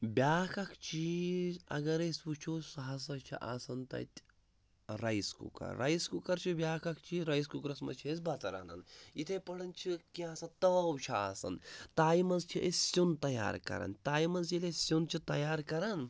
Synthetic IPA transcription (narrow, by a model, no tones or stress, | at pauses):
bʲjaːkʰɐkʰt͡ʃʰiɐ̰ɡɐɾesʲput͡ʃʰusɐɦɐs̬ɐt͡ʃʰḭʔaːsɐnt̪ɐ̰t̪ʲ | ɾɐjskṵkɐ̰ɾːɐjskukɐɾt͡ʃʰibʲaːkʰɐkʰt͡ʃʰiɾɐjs̬kukɾɐsmɐ̰t͡ʃʰiz̬bɐt̪ɐɾa̰nɐ̰nit̪ʰepɐɽɐnt͡ʃʰikiaːsɐt̪ɐwt͡ʃʰaa̰ːsɐ̰nt̪aːimɐnzt͡ʃʰiʔesʲsʲunt̪ɐja̰ːɾkɐ̰ɾɐ̰nt̪aːjimɐnzilesʲunt͡ʃʰit̪ɐjaːɾkɐɾɐn